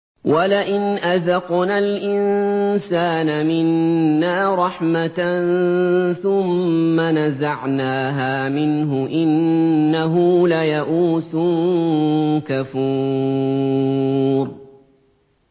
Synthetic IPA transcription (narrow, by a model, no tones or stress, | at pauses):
walaʔɪnʔaðɑqnaːlʔɪnsaːnamɪnːaːɾˤɑħmat̪nθʊmːanazaʕnaːɦaːmɪnɦʊʔɪnːaɦulajaʔuːsʊ | kafu | ɾ